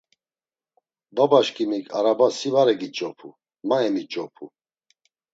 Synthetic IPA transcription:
babaʃkʼimikʰʼaɾabasivaɾɛɡit͡ʃʼɔpʰṵ | maɛmit͡ʃʼɔpʰu

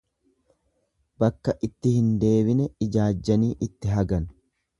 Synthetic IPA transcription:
bɐkːɐʔɪt̪ːɪhɪnd̪e̞ːbɪnɛɪd͡ʒaːd͡ʒːɐniːʔɪt̪ːɪɦɐɡɐn

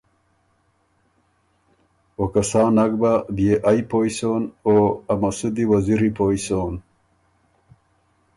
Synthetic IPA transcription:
okɐsaːnɐɡbabjeʔajpoːjsoːnoɐmɐsud̪iwɐziɾipoisoːn

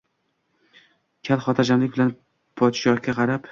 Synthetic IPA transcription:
kʲʰalˠχɒt̪ʰad͡ʒamlɪk̚ʲbɪlan | pʰɒt̪ɪʃɒχkʲaqʰɑɾap

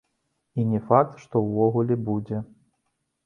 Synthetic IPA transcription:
inʲɛfak̚t̪ʂt̪ɔwːɔɣulʲɛbud͡zʲɛ

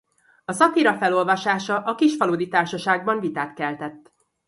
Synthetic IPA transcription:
ɒsɒt̪iɾɒfɛlo̞lvɒʃaːʃɒʔɒkiʃfɒloːd̪it̪aːrʃɒʃaːɡ̚bɒɱvit̪aːt̪kɛlt̪ɛt̪ː

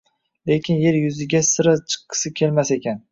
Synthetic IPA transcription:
le̞kʲɪnje̞ɾjʊzɪɡʲasɨɾat͡ʃʰɨ̥qːɨ̥sɪkʲʰe̞lmase̞kʲʰan

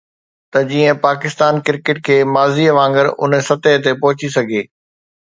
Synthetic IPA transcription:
t̪ɐd͡ʑiːə̃paːkɪst̪aːnkɪɾkɪʈ̚kʰeːmaːziəʋãːŋɡəɾʊ̰nsɐt̪əɦt̪̬epɐɦʊt͡ɕisɐɡʱeː

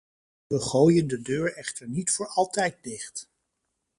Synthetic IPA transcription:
ʋəχoːjəndədøːɹɛχtəɹnitfʊːɹɑlˠtɛjt̚dɪχt

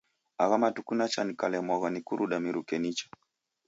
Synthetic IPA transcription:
aɣamatukunat͡ʃanikalɛmɔɣanikuɾuɗamiɾukɛnit͡ʃɔ̥

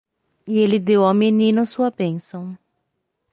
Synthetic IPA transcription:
ielɪd̪ewɐminĩnʊsuɐbẽsɐ̃w̃

